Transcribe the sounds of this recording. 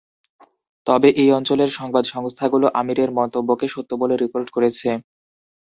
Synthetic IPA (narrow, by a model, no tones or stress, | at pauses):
t̪ɔbeʔejɔnt͡ɕoleɾʃɔŋbad̪ʃɔŋst̪ʰaɡuloʔamiɾeɾmɔnt̪obːokeʃot̪ːoboleɾipoɾʈkoɾet͡ɕʰe